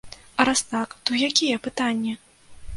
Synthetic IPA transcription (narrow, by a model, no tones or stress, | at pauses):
ɐɾast̪akt̪ɔjakʲijɛpɨt̪anʲːɛ